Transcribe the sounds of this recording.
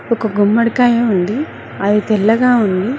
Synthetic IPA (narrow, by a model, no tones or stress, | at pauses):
ɔkɐɡumːɐɽkaːjeund̪i | ɐd̪it̪ɛlːɐɡaːund̪i